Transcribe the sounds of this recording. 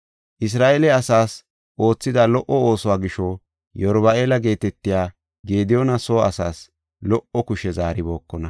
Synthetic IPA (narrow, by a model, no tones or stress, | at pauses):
ʔɪs̬ɾaːʔelɛɐsaːs | ʔo̞ːt͡sːɪd̪alɔʔɔo̞ːsɔwaːɡɪʃɔ | jɔɾbɐʔe̞ːlɐɡe̞ːt̪ɛt̪ːɪjaː | ɡe̞ːd̪ɪjɔnɐso̞ːɐsaːs | lɔʔɔkʊʃɛzaːɾɪbo̞ːkːɔnɐ